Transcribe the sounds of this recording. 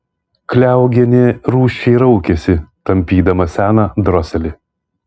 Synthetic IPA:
klʲæˑʊɡʲɛnʲeːɾuːʃʲt͡ʃʲɛɪɾɐʊkʲɛsʲɪt̪ɐmʲpʲiːd̪ɐmɐsʲæːnɐd̪ɾɔsʲɛlʲɪ

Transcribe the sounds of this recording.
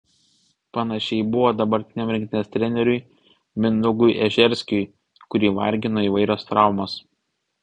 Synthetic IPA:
pɐnɐʃʲɛɪbʊʋoːd̪ɐbɐɾʲt̪ʲɪnʲɛmɾʲɪ̃ŋkt̪ʲɪnʲɛst̪ʲɾʲɛnʲɛɾʲʊɪ | mʲɪnʊɡʊjʔɛʒʲɛɾʲsʲkʲʊj | kʊɾʲiːʋɐ̰ɾʲɡʲɪnoːiːʋɐɪɾʲoːst̪ɾɑˑʊmoːs

